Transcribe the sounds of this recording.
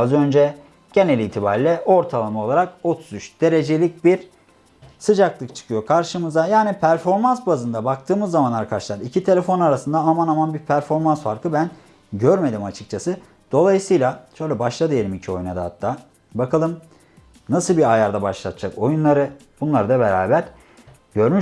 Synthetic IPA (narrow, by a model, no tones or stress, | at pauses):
azø̞nd͡ʒɛ | ɟ̥e̞nelʲiːt̪ʰibaɾilʲɛʔo̞ɾt̪ʰalˠamao̞lˠaɾako̞t̪ʰu̥zyt͡ʃd̪̥e̞ɾe̞d͡ʒe̞lʲic̚biɾ | sɯd͡ʒaklˠɯk̚t͡ʃʰɯ̥kʰɯjo̞kʰaɾʃɯmɯzajaːnipʰæɾfo̞ɾmansbazɯnd̪abak̚t̪ʰɯːmɯzːamanlˠaɾkʰaɾʃɯlˠaɾicʰit̪ʰe̞lʲe̞fo̞naɾasɯnd̪aːmanamanbiɾpʰæɾfo̞ɾmansfaɾkʰɯbæn | ɟøɾme̞d̪imat͡ʃʰɯ̥k̚t͡ʃʰasɯ | d̪̥o̞lˠajɯsɯːjlˠaʃøjlʲɛbaʃlˠad̪ɯjelɾʲimicʰio̞junad̪ahat̪ʰːaː | bakʰalˠɯm | nasɯlˠbiajaɾd̪abaʃlˠat̪ʰɯd͡ʒako̞junlˠaɾɯ | b̥unlˠaɾɯd̪abe̞ɾaːbæɾ | ɟø̞ɾmy